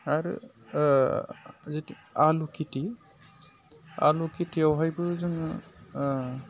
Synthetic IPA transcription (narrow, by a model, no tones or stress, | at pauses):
aɾɯ̰ | zeti | alukiti | a̰lukitʰiawɦajbɯzɯn